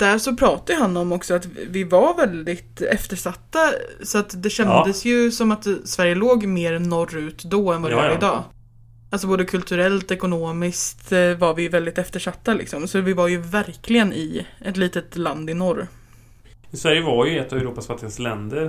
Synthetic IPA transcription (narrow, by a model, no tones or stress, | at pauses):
d̪̥æʂɔpʰɾɑːt̪ad̪əɦanːɔmɔksɔat̪vɪvaɾvɛld̪ɪt̪ɛft̪əʂat̪ːasɔat̪d̪ɛɕɛnd̪əsjɵsɔmat̪svæɾjəloːɡmeːɾnɔrʉ̟ːt̪d̪ɔɛnvad̪ɪvaːɾəɪd̪ɑː | als̬ɔboːd̪əkʰɵlt̪ʰɵɾɛlt̪ɛkʊnoːmɪskt̪vaɾvɪjvɛld̪ɪt̪ɛft̪əʂat̪ːalɪ̰ksɔmsɔvɪvaɾjɵvæɾkʰlɪɡənɪɛt̪liːt̪ət̪land̪ɪnɔɾ | ɪsvæɾjəvaɾjɵɛt̪ːavɛɾuːpasvat̪ːɪslɛnd̪əɾ